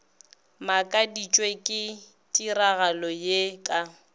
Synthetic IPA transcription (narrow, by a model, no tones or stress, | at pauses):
makʼadit͡ʃʼwekʼɪ | tʼiraɣalɔjekʼa